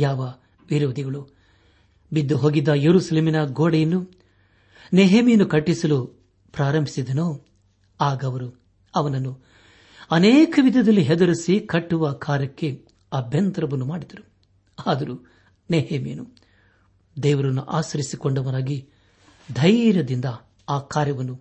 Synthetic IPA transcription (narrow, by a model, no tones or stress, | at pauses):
jaːʋɐ | ʋiɾo̞ːd̪ʱiɡɐɭu | bid̪ːuɦo̞ːɡid̪ːɐjeɾuːsɐleːminɐɡoːɽɛjɐnːu | neɦeːmijɐnukɐʈːisɐlu | pɾaːɾɐmbʱi̥sid̪ɐnoː | aːɡɐːʋɐɾu | ɐʋɐnɐnːu | ɐneːkɐʋid̪ʱɐd̪ɐlːiɦɛd̪ɐɾisikɐʈːuʋɐkʰaːɾjɐkːe̞ | ɐbʱjɐnt̪ɾɐʋɐnːumaːɽid̪ɐɾu | aːd̪ɐɾu | neɦeːmḭjɐnu | d̪ɛːʋɐɾɐnːuʔaːsɐɾisikoɳɖɐʋɐɾaːɡi | d̪ʱɐjɾjɐd̪ind̪ɐ | aːkaːɾjɐʋɐnːu